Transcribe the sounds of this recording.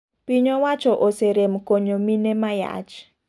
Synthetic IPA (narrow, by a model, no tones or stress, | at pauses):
piɲowat͡ʃɔʔoseɾemkoɲominemaja̰ʔt͡ʃ